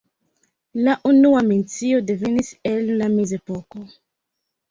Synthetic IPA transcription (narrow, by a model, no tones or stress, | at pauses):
laʔunuament͡sio̞de̞ve̞nise̞nːame̞ze̞po̞ko